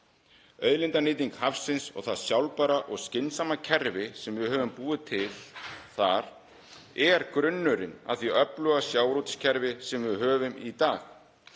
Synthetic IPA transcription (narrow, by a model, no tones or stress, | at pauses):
œːɥðlɪnt̪anɪːt̪̬iŋkhafsːɪnsɔ̰ɣθaðsjawlpaːɾaʔɔɣscɪnsamacʰɛɾvɪsɛmvɪhœːvʏmpuːðɪt̪ʰɪl̥θaɾ̥ | ɛɾkɾʏnːʏɾɪna̰ðθiœplʏɣasjaːwɾut̪ɪ̥scʰɛɾvɪsɛmvɪɦœːvʏmit̪aːx